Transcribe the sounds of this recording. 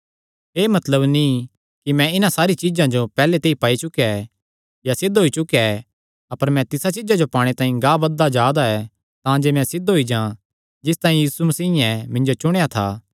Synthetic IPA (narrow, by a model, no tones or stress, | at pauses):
eːmɐt̪ləbni | kimɛ̃ɪnãsaːɾit͡ʃɪd͡ʒãd͡ʒopɛːlet̪eːipaːit͡ʃʊkaɛ | jasɪd̪ɦoːit͡ʃʊkaɛ | ɐpəɾmɛ̃t̪ɪsat͡ʃɪd͡ʒad͡ʒopaːɽ̃et̪ãːĩɡaːbɐd̪ːad͡ʒaːd̪aɛ | t̪ãːd͡ʒeːmɛ̃sɪd̪ɦoid͡ʒãː | d͡ʒɪst̪aːĩjiːsumɐsiːɪɛ̃mɪ̃nd͡ʒot͡ʃʊɽ̃ejat̪ʰaː